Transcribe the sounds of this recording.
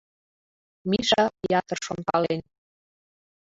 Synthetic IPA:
miʃɑjɑt̪ərʃont̪ɑlen

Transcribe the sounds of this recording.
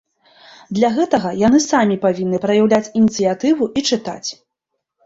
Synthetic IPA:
d̪lʲaɣɛt̪ɐɣɐjanɨsamʲipavʲinːɨpɾɐjawlʲat͡sʲinʲit̪sɨjat̪ɨvuʔit͡ʂɨt̪a̰t͡sʲ

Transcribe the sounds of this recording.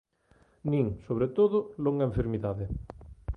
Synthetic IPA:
nĩŋsoβ̞ɾet̪oðʊloŋɡaẽɱfeɾmiðaðɪ

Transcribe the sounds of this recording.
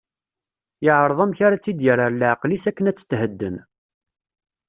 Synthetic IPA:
ɪʕɾˤəðˤæmçaɾat͡sːid̪jəɾəɾlʕqlisækːənæt͡sːə̥t̪ːhəd̪ːən

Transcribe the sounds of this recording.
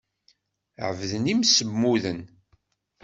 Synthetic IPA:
ʕəvðənimsəmːuðən

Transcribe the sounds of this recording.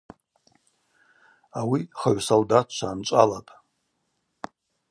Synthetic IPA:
awiχaɥsoldatʰt͡ʃʷʰaːnt͡ʃʷʼa̰latʼ

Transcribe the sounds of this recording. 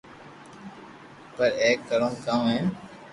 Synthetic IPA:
pəɾeːkːəɾõːkãːẽː

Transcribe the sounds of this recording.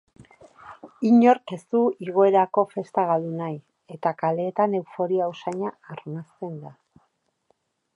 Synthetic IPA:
iɲo̞ɾke̞st̪uiɣo̞e̞ɾako̞fe̞st̪aɣald̪unaj | e̞t̪akale̞ːt̪ane̞wfo̞ɾiausaɲaːrnast̪e̞nd̪a

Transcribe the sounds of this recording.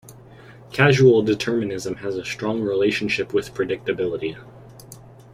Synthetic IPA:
kʰæʒul̩ˠdɨtʰɜ˞mɨnɪzə̃mɨzəstɹ̥ɔ̃ŋɹileɪʃn̩ʃɪpwɨð̥pʰɹ̥ɨdɪk̚tɨbɪlˠəɾi

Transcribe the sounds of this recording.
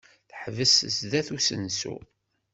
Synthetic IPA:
θħvəsəsðæθusə̰nsṵ

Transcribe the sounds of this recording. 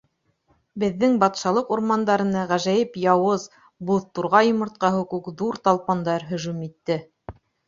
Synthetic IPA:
bɘ̆ðːɘŋbɑt̪ʃɑlˠɤquɾmɑnd̪ɑɾɤ̆nɤʁæʒæjɘpjɑwɤz | buðt̪uɾʁɑjŏmŏɾt̪̚qɑɦukʉkðuɾt̪ɑlˠpɑnd̪ɑɾɦɵ̆ʒʉmit̪ːɘ

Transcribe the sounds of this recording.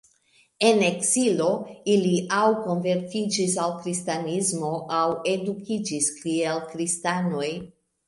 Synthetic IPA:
e̞ne̞ksilo̞iliʔawko̞nve̞ɾtid͡ʒis̬alkɾistanizmo̞ʔawe̞dukʰid͡ʒiskielkɾistano̞j

